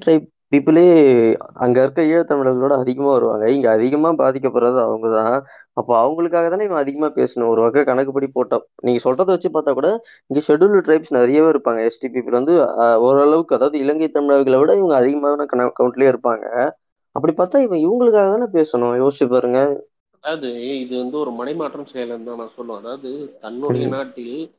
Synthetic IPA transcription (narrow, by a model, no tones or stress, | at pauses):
ʈɾɐɪp̚ | piːpːɪleːɐ̰ŋɡɐɪɾɯkːɐiːɽɐt̪ɐmɪɭɐːʋɪɣɯʋɪɽɐɐðɪɣɐmaːʋɐɾɯʋa̰ːŋɡɐɪŋɡɐːðɪɣɐmaːbaːðɪk̬ʲːɐpːɔːɾaðɯɐʋɐŋɡɐt̪ãːɐpːoːɐʋɐŋɡɐɭɯkːaːɣɐt̪aːɪʋɐ̃ɡɐðɪɣɐmaːpḛːsɐnʊ̃ɔɾɯʋɐkːɐkɐnɐkːɯpɐɽipoːʈːɐniːŋɡɐsɔlrɐðɐʋɐt͡ʃːɯpaːɾt̪aːkuːɽa | ɪŋɡeʂɛɽulʈɾɐɪpsnɐɾɐjɐʋeːɪɾɯpːaːŋɡɐɛsʈipiːpːɪlʋɐnd̪ɯɔɾɐɭɐʋɯkːɯɐðaːʋɐðɯɪlɐŋɡɐt̪ːɐmɪɭaːʋɪkːɪlɐʋɪɽɐɪʋɐŋɡɐːðɪɣɐmaːnakɐɐkɐʊɳʈleːɪɾɯpːaːŋɡɐ̰ | ɐpːɐɽipaːɾt̪aːɪʋɐ̃ɪʋɐŋɡɐɭɯkːaːɣɐt̪ãːnãːpeːsɐnʊ̃joːsɪt͡ʃɯp̬aːɾɯŋɡɐ | ɐðaːʋɐðɯɪðɯʋɐnd̪ɯɔɾɯmɐnɐɪmaːʈrɐmsɛjɐlnt̪ãːnãːsɔl̃ːɐðaːʋɐðɯt̪ɐnːʊɽɐjɐnaːʈːɪl